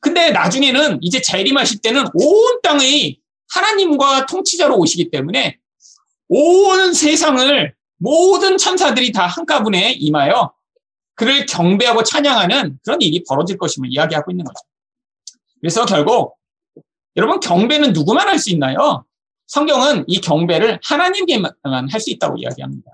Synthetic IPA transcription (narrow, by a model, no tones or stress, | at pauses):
kɯnde̞nad͡ʑuŋe̞nɯnid͡ʑe̞t͡ɕeɾimaɕʰiɭt͈e̞nɯnont͈aŋi | hanaɲimɡwatʰoŋt͡ɕʰid͡ʑaɾoːɕʰiɡit͈e̞mune̞ | onnsʰe̞sʰaŋɯɭ | modɯnt͡ɕʰʌnsʰadɯɾitahank͈abune̞imajo | kɯɾɯɭkjʌŋbe̞ɦaɡot͡ɕʰaɲaŋɦanɯnkɯɾʌniɾipʌɾʌd͡ʑiɭk͈ʌɕʰimɯɭijaɡiɦaɡoinːɯnɡʌd͡ʑʰ | kɯɾe̞sʰʌkjʌɭɡok̚ | jʌɾʌbunkjʌŋbe̞nɯnːuɡumanhaɭs͈uinːajo | sʰʌŋɡjʌŋɯnikjʌŋbe̞ɾɯɭhanaɲimkemmanɦaɭs͈uit̚t͈a̰ɡo̰ḭja̰ɡiɦamɲida